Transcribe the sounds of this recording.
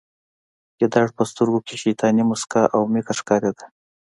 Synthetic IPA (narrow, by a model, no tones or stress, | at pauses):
jed̪ɑɽpəst̪əɾɡokʲeʃejt̪ʰɑnimʊskaʔawmikaʂkɑɾad̪ḁ